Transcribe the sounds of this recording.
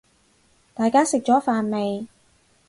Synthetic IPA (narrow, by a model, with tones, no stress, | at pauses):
t̪aː˨˧jkaː˥sɪ˨k̚t͡ʃɔː˨˥faː˨nme˨j